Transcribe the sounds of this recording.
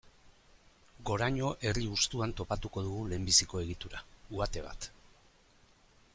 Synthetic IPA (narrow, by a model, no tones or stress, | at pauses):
ɡo̞ɾaɲo̞ʔe̞riust̪uant̪o̞pat̪uko̞ð̞uɣule̞ːmbisiko̞e̞ɣ̞it̪uɾauat̪e̞β̞a̰t̪